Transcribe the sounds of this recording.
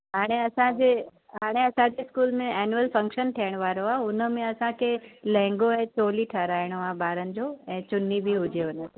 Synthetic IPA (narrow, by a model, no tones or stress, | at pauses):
ɦaːɽ̃eɐsãd͡ʑeː | ɦaːɽ̃eɐsãd͡ʑeɪskuːlmẽɛːnjuəlfɐ̃ŋkʃənʈ̪ʰijəɽ̃ʋaːɾoaːʊnə̆mẽɐsãkʰeːlɛ̃ːŋɡoɛ̃ːt͡ɕoːliʈʰɐɾaːɪɽ̃oãːbaːɾənɪ̆d͡ʑoːɛ̃ːt͡ɕʊnibɪɦʊd͡ʑeʊnət̪e